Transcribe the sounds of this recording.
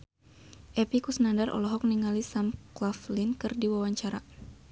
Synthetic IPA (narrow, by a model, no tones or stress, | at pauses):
ʔɛpikusənandarʔɔ̰lɔɦɔk̚niŋalisamklaflinkɨrdiwawaɲt͡ʃaɾa